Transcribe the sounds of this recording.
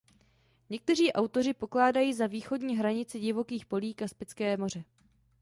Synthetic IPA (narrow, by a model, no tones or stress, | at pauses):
ɲɛk̚t̪ɛr̝iːʔawt̪o̞ɾ̝ɪpo̞klaːdajiːzaviːxo̞dɲiːɦɾaɲɪt͡sɪɟɪvo̞kiːxpo̞liːkaspɪt͡skɛːmo̞r̝ɛ